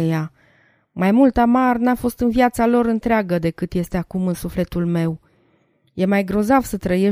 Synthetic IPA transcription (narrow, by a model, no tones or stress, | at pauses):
eja | majmult̪amarnafo̞st̪ɨnviat̪salo̞ɾɨnt̪ɾeaɡəd̪e̞kɨt̪je̞st̪e̞akumɨnsufle̞t̪ulme̞w | je̞majɡɾo̞zavsət̪ɾəje̞